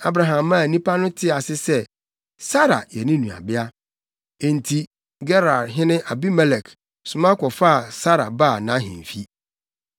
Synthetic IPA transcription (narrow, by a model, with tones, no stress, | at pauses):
a˨bɾa˨ɦã˨mːã˦˨nĩ˦pa˦nʊ̃˦tʰɪ˦a˨sɪ˦sɛ˦ | sa˦ɾa̰˨jɛ˨nɪ̃˦nũ˨a̰˨bɪ˦a˦ | e˨ntʰi˨ | ɡɛ˦ɾa˨ɾɦɪ̃˦nɪ̃˦ʔa˨bi˦mɛ˦lɛ˨kʰ | sʊ˨mã˦kɔ˨fa˦a˨sa˦ɾa̰˨ba˦˨nã˨˦ɦɪ̰̃˨n˨fi˦